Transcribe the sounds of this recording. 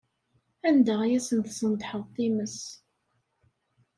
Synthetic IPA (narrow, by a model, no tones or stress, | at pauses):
ænd̪əʁjæsənθsənd̪ħəðˤt̪ˤːiməs